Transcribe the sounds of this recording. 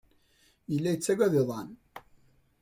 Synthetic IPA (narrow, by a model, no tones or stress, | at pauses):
əlːæjət͡sːæɡʷæðeðˤɑn